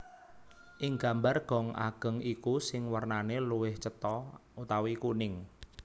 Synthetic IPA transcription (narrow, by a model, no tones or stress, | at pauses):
ʔɪŋɡa̤mbarɡ̥ɔ̤ŋʔa̰ɡ̥ə̤ŋikusɪŋwərnaneluwɪht͡ʃət̪ɔut̪awikunɪŋ